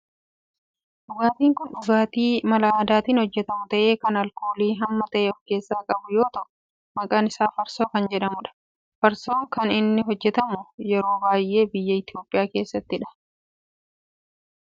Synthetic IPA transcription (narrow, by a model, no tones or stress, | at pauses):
ɗʊɡaːt̪iːŋkʊnᶑʊɡaːt̪iːmɐlaaːd̪aːt̪iːnhɔd͡ʒːɛt̪ɐmʊt̪ɐʔe̞ːkɐnɐlkoːliːɦɐmːɐt̪ɐʔeɔfke̞ːsːaːkʼɐbʊjo̞ːt̪ɐʔʊ | mɐkʼaːnɪsaːfɐɾsoːkɐnd͡ʒɛᶑɐmʊᶑɐ̥ | fɐɾso̞ːŋkɐnɪnːɪɦɔd͡ʒːɛt̪ɐmʊjɛɾo̞ːbaːjʔe̞ːbɪjːɐɪt̪ɪjo̞ːpʼɪjaːke̞ːsːɐt̪ːɪᶑɐ̥